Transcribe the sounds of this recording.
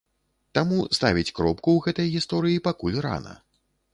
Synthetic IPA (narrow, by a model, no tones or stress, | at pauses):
t̪amust̪avʲit͡sʲkɾɔpkuwɣɛt̪ɐjɣʲist̪ɔɾɨjipakulʲra̰nɐ̰